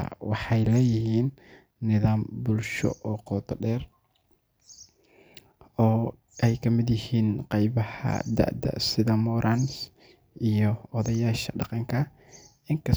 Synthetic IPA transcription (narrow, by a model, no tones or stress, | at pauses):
wɑħɑjlɛːjɪhiːnː | ɪðaːmbʊlʃɔ̰ʔɔːqɔːt̪ʰɔɖɛːr | ɔː | ɛjkʰɐmɪd̪jɪhiːnqɑjβɐhɐ̰d̪ɐ̰ʕʔd̪ɐ̰sɪðɐmɔːɾʔans | ʔijɔɔðɐjaːʃɐ̰ɖɑqɑŋkʰɐ | ɪŋkʰɐ